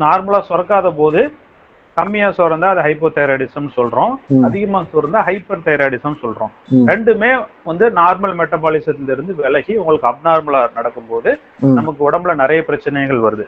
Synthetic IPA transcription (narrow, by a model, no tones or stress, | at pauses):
naːɾmɐɭaːsɔɾɐkːaːðɐp̬oːðɯ | k̪ɐmːɪjaːsɔrɐnd̪aːɐðɐɦɐɪpːɐt̪ɐjɾaːɽɪsɐmːsɔlɾõːɐðɪɣɐmaːsɔɾɐnd̪aːɦɐɪpːɐɾt̪ɐjɾaːɽɪsɐnːsɔlɾõ̰ːɾɛɳɖɯmeːʋɐnd̪ɯnaːɾmɐlmɛʈːɐbaːɭɪsɐt̪ːɪlɪɾɯnd̪ɯʋɛlɐɣiʊŋɡɐɭɯkːɯɐbnaːɾmɐɭaːnɐɽɐkːɯmpoːðɯ | nɐmɐk̬ːɯɔɽɐmblɐnɪɾɐjɐpɪɾɐt͡ʃːɐnɐɪɣɐɭʋɐɾɯðɯ